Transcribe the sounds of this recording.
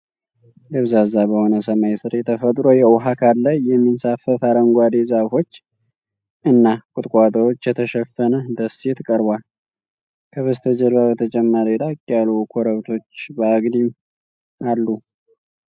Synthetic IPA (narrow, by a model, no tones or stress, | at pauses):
ləβzazabəho̞nəsəmajsɨɾjɛt̪ʰəfət̪ʼɾojɛʊɦakʰalːajːɛmːinsafəfaɾəŋɡʷad̪ezafo̞t͡ʃː | ʔɨnːakʼʊt̪ʼkʼat̪ʼəwot͡ʃːjɛt̪ʰəʃɛfːənəd̪əsɛt̪kʼəɾbwal | kʰəβəst̪ʰəd͡ʒəlβaβət̪ʰət͡ʃʼɛmːaɾid̪akʼjalukʰoɾəβt̪ʰo̞t͡ʃːbəaɡd̪im | alːu